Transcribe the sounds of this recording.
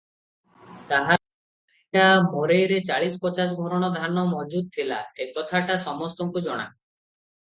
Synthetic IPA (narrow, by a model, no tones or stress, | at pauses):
t̪aɦa | ʈamoɾejɾet͡ɕaɭispɔt͡ʃas̬bʱɔɾɔɽ̃ɔd̪ʱanɔmɔd͡ʒud̪̚t̪ʰila̰ekɔt̪ʰaʈasɔmɔst̪ɔŋkud͡ʒɔɽ̃a̰